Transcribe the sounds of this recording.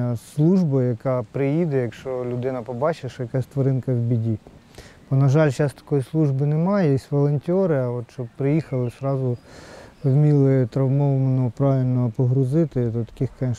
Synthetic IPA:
slˠuʒbɐjɐkɑpɾɪjid̪ɛjɐkʃt͡ʃɔlʲʊd̪ɪnɐpɔbɑt͡ʃeʃjɐkɑsʲt̪ʋɔɾɪnkɐwbʲidʲi | b̥ɔnɐʒɑlʲʃɑst̪ɐ̥kɔjislˠuʒbɪnɛmɑjɛsʲʋɔlˠɔnʲtʲɔɾɪɐɔt̪ʃt͡ʃɔbpɾɪjixɐlˠɪsɾɑzʊ | wmʲilˠɪt̪ɾɐwmɔʋmɐnɔpɾɑʋʲɪlʲnɔpɔɦɾʊzɪt̪ɪd̪ɔt̪ɐ̥kɪxkɐ

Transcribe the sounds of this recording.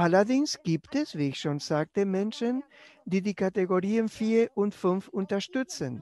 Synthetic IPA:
ʔalɐdɪŋsɡ̥iːptɛsv̥iːɪçʃoːnzaːk̚təmɛnʃən | diːdiːkateɡoʁiːənfiːɐʔʊntfʏnfʊntɐʃtʏt͡sən

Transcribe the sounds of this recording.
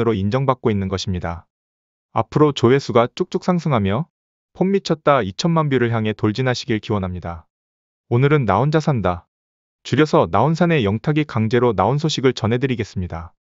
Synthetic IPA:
ɯɾoind͡ʑʌŋbak͈oinːɯnɡʌɕʰimɲida | a̰pʰɯɾot͡ɕowe̞sʰuɡat͡ɕ͈ok̚t͡ɕ͈ok̚s͈ʰaŋsʰɯŋɦamjʌ | pʰomːit͡ɕʰʌt̚t͈ait͡ɕʰʌnmanbjuɾɯɭçjaŋɦe̞toɭd͡ʑinɦaɕʰiɡiɭkiwʌnɦamɲida | onɯɾɯnːaond͡ʑasʰanda | t͡ɕuɾjʌsʰʌnaunsʰane̞jʌŋtʰaɡikaŋd͡ʑe̞ɾonaonsʰoɕʰiɡɯɭt͡ɕʌnɦe̞dɯɾiɡe̞s͈ɯmɲida

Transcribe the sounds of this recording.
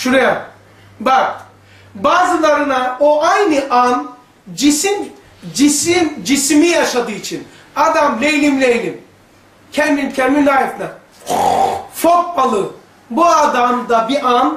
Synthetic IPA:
ʃuɾaja | bak | baːzɯlˠaɾɯnaoʔajnɯʔan | d͡ʒisim | d͡ʒisimd͡ʒismijaʃad̪ɯːit͡ʃʰin | ad̪amlejlʲimlʲejlʲim | cʰɛɾmincʰɛɾminlajɛt̪ʰna | fok̚palˠɯ | buad̪amd̪abiʔan

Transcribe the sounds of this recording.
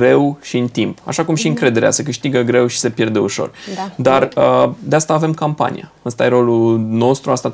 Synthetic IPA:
ɾe̞wʃiɨnt̪impa̰ʃakumʃiɨŋkɾe̞d̪e̞ɾea̰sekɨʃt̪iɡəɡɾe̞wʃi̥se̞pje̞rd̪e̞uʃo̞̰rd̪arəd̪east̪aːve̞mkampa̰nḭja | əst̪ajeɾo̞luno̞st̪ɾuast̪a

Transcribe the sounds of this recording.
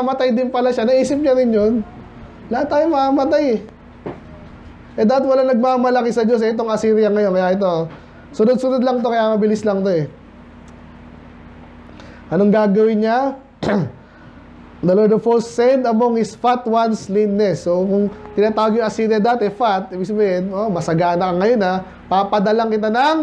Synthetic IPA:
mɐt̪ajd̪ɪnpɐlaʃanɐʔiːsɪp̚ɲɐɾɪnjon | lɐhat̪ːaːjomɐamɐt̪ajɛ | ʔɛd̪aːat̪̚wɐlaŋnɐɡ̚maːmɐlɐkɪsɐd͡ʒos̬ɛʔɛt̪o̞ŋɐsiːɾɪjɐŋɐjo̞nkɐjaʔɪt̪o̞ | sʊnod̪̚sʊnod̪lɐŋt̪o̞kɐjamɐbɪlɪslɐŋt̪o̞ɛ | ʔɐno̞ŋɡaːɡɐwɪnɲa | d̪ɐlod̪ofolsːɛnd̪ɐmoŋɪsfat̪wanslinːɛsːokʊŋt̪ɪnaːt̪aːwɐɡjʊŋɐsiːɾɪjɐd̪aːt̪ɛfat̪̚ʔiːbɪɡ̚sɐbehɛnomɐsɐɡaːnɐkɐŋɐjo̞nɐ | papɐd̪ɐlaŋkɪt̪anɐŋ

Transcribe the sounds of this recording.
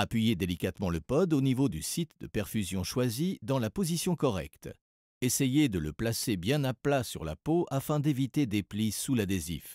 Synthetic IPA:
apɥijed̪elikat̪mɑ̃ləpɔd̪onivod̪ysit̪d̪əpɛʁfyzjɔ̃ʃwazid̪ɑ̃lapozisjɔ̃kɔʁɛ̰kt̪ | esejed̪ələplasebjɛ̃naplasyʁla̰poʔafɛ̃d̪evit̪ed̪eplisulad̪ezḭf

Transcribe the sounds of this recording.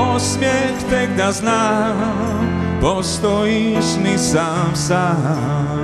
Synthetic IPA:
ɔsmjɛxt̪ɛɡ̚d̪azna | pɔst̪ɔjiʃmizafsaɦ

